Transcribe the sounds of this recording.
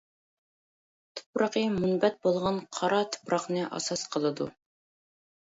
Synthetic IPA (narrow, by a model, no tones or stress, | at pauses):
t̪ʰʊ̥pɾɑqəmunbɛt̪̚bolˠʁɑnqʰɑɾɑt̪ʰʊ̥pɾɑqnɨʔɑ̰sɑsqʰəlˠɨd̪ṵ